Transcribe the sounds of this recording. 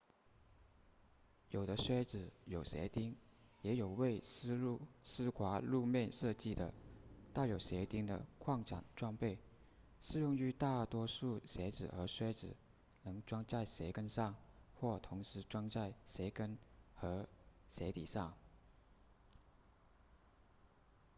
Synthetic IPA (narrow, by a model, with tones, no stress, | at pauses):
jo˨˩ʊd̪ə˦swɛ˥ʈ͡ʂɻ̩˨˩jo˨˩ʊɕjɛ̰˧˥t̪i˥ŋ | jɛ˧˥jo˨˩ʊwe˥˧ɪ˥ | sɹ̩˥kʰwa˧˥lu˥˧mjɛ˥˧nʂɤ˥˧t͡ɕi˥˩d̪ə̰˩t̪a˥˩jo˨˩ʊɕjɛ˧˥t̪i˥ŋd̪ə̰˨kʰwɑ˥˩ŋʈ͡ʂʰa̰˨˩ŋʈ͡ʂwɑ˥˧ŋpe˥˩ɪ | ʂɻ̩˥˧jʊ˥˧ŋy˧˥t̪a˥˩t̪wɔ˥ʂu˥˩ɕjɛ˧˥ʈ͡ʂɻ̩˨˩ə˧˥ʂwɛ˥ʈ͡ʂɻ̩˨˩ | nɤ˧˥ŋʈ͡ʂwɑ˥ŋt͡sa˥˩ɪɕe˧˥ɪkə˥nʂɑ˥˧ŋxwɔ˥˩t̪ʰʊ˧˥ŋʂɻ̩˧˥ʈ͡ʂwɑ˥ŋt͡sa˥˩ɪɕje˧˥ɪkə˥nxɤ˧˥ɕjɛ˧˥t̪ḭ˨˩ʂɑ˥˩ŋ